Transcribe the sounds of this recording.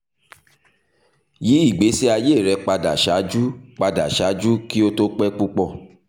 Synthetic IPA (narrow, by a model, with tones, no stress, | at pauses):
ji˨˦i˦˨ɡ͡be˨˦si˦a˧je˦˨ɾɛ˧k͡pa˧da˨ʃa˨˦d͡ʒu˦k͡pa˧da˨ʃa˨˦d͡ʒu˦ki˦o˦to˦k͡pɛ˦k͡pu˦k͡pɔ˦˨